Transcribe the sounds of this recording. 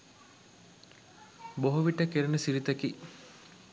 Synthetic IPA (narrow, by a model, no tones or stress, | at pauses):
boɦoʋiʈəkeɾenəsiɾit̪əki